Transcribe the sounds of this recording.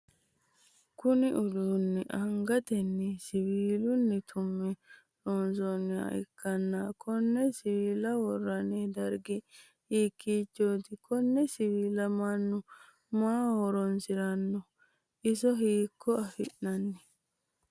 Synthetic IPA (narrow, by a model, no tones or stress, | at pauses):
kʊnɪʔʊd̪uːnːɛʔɐŋɡɐt̪ɛnːɛsɪwiːlʊnːɛt̪ʰʊmːɛ | ɾoːnsonɪa̰ɪ̰kːɐnːakʰɔnːɛsɪwiːlɐwɔrːɐnɛd̪ɐɾɡɪ | hiːkːiːt͡ʃːoːt̪ɪkɔnːɛsɪwiːlɐmɐnːʊ | maːhɔɾɔnsɪɾɐnːɔ | ʔɪsɔɦiːkːɔɐfɪ̰ʔnɐnːɛ